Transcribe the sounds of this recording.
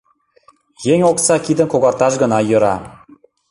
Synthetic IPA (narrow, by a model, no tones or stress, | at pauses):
jeŋʲoksɑkʲid̪ə̆nkoɣɑrt̪ɑʃɡɤ̆nɑjɤ̆ɾɑ